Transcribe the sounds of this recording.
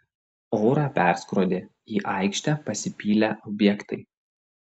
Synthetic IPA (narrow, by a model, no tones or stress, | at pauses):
ɔːɾɑːpʲæˑɾskɾod̪ʲe | iːʔɑˑɪkʃʲt̪ʲæpɐsʲɪpʲiːlʲæʔɔbʲjɛkt̪ɐɪ